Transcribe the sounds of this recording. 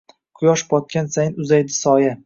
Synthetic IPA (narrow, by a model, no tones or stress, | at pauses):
qʰʊjɒʃbʰɒt̪̚kʲansajnʊzajd̪ɪsɒja